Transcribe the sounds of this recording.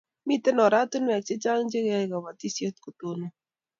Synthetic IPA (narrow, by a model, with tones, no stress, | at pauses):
mi˦t̪ɛ˦nɔ˨ɾa˦t̪u˦n˦ɛ˨k̚t͡ʃɪ˦t͡ʃa˦ŋd͡ʒe˦ɣa˦˨ɡa˨wa˨t̪i˦sje˦t̪̚ko˨t̪o˦no˦